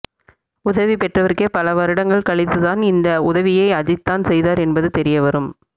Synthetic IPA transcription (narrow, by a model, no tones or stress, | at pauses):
ʊðɐʋipɛʈrɐʋɐrkepɐlɐʋɐɾɪɽɐŋɡɐɭkɐɭɪt̪ːɯðaːnɪnd̪ɐʊðɐʋɪjɐɪɐðɪt̪ːaːnsɛjðaːɾɛnbɐðɯt̪ɛɾɪjɐʋɐɾɯm